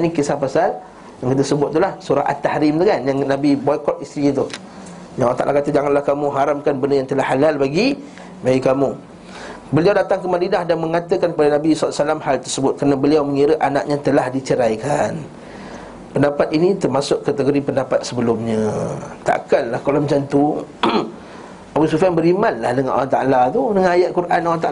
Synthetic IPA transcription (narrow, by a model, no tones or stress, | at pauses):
anĩkəsapasal | jaŋkit̪̬əsəbʊt̪̚ːulahsuɾahʔa̰t̪ahɾɪmt̪ukanjaŋnabibɔjkɔt̪̚ist̪ɾit̪u | jaŋat̪a̰ʔlahkat̪əd͡ʒaŋanlahkamũɦaɾamkanbəndəjaŋt̪əlahalalbaɡi | baikamũ | bəliawdat̪aŋkəmadinahdanmə̃ŋat̪əkankəpadanabisasalamhalt̪ərsəbʊt̪̚kəɾnabəliawməŋiɾəʔana̰ʔɲãt̪əlahdit͡ʃəɾajkan | pəndapat̪̚init̪ərmasʊʔkat̪əɡoɾipəndapat̪̚səbəlʊmɲə̃t̪a̰ʔkanlahkalawməɲt͡ʃant̪u | abus̬ufianbəɾimanlahdəŋanʔa̰laht̪a̰ʔlat̪unəŋajaʔ̪̚kuɾʔanalat̪a